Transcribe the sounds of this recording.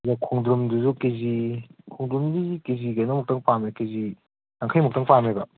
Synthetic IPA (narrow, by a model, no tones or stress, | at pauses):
zakʰɔŋdɾumduzukezikʰɔŋdɾumdizikeziɡajnɐmuk̚taŋpamekezi | naŋkʰajmuk̚taŋpamebɐ